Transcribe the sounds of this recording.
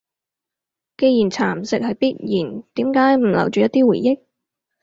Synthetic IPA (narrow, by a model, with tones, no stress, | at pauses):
ke˧jiː˨˩nt͡sʰaː˨˩msɪ˨k̚hɐ˨˧jpiː˥t̚jiː˨˩nt̪iː˨˥mkaː˨˥jm̩˨˩lɐ̰˨˩wt͡ʃyː˨jɐ˥t̚t̪iː˥wṵː˨˩jɪ˥k̚